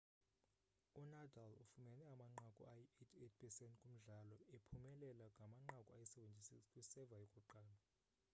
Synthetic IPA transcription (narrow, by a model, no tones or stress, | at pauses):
unadʱalṵfumɛnɛamaŋ͡ǃakʼṵajetʰetʰpʰɛsɛntʰʼkʼum̩ɮalɔepʰumɛlɛlaŋʱamaŋ͡ǃakʼuajɛsɛventʼisikskʼwisɛvajokʼuǃaːla